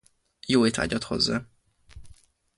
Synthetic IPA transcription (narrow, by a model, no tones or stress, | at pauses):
joːet̪ʰa̰ːɟɒt̪ho̞̰zːa̰ː